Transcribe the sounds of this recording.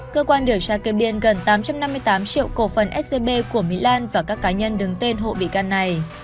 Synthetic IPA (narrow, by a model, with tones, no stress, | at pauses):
kəː˧kwaː˧nɗɨ˧˩əwsaː˧ke˧ɓi˧ənɣə˨˩nt̪aː˨˦mt͡ɕa˧mna˧mːɨ˧əjt̪aː˨˦mt͡ɕḭ˧əwko˧˩fə˨˩nʔɛ˦˥t̚e˧ɓe˧ku˧˩əmḭ˧˥laː˧nvaː˨˩kaː˦˥kːaː˨˦ɲə˧nɗɨ˨˦ŋt̪e˧nɦo̰˧˨ɓḭ˧˨ka˧nːa˨˩j